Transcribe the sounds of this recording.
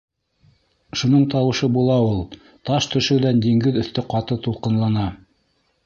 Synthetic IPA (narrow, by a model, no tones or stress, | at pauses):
ʃunɤɴt̪ɑwɤ̆ʃɤbulˠɑulˠ | t̪ɑʃt̪ɵ̆ʃɘ̆wd̪ænd̪iŋɡɘðɵ̆θt̪ɘqɑt̪ɤt̪ulˠqɤ̆nlˠɑnɑ